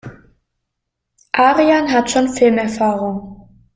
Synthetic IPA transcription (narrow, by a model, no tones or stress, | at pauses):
ʔaːʁianɦatʃoːnfɪlmɛɐfaːʁʊŋ